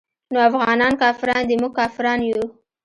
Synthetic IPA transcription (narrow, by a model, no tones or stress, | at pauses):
noafɣɑnɑnkɑfɪɾɑnd̪ɪmuɡ̚kɑfɪɾɑnju